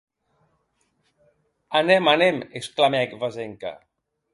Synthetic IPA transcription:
anemanemesklamɛkvazeŋka̰

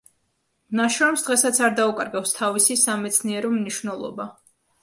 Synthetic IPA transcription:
naʃɾɔmsd̪ʁɛsat̪sʰaɾd̪aukʼaɾɡafst̪ʰavisisamɛt̪sʰniɛɾɔmniʃvnɛlˠɔ̰ba

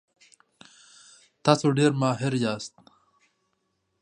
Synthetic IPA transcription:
t̪ɑːsoɖeɾmɑːɦɪɾjɑːst̪

